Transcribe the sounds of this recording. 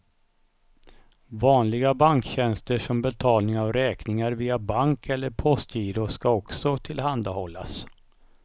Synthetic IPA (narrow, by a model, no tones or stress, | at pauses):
vɑːnlɪɡabaŋkɕɛnst̪əʂɔmbɛt̪ʰɑːlnɪŋavɾɛːknɪŋaɾviːabaŋkʰɛlːəɾpʰɔst̪iːɾʊskaɔksɔt̪ʰɪlɦand̪ahɔlːa̰s